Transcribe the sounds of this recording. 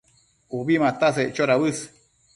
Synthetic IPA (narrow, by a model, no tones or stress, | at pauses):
uβimãt̪aset͡ʃoɾaβɨsɨ̥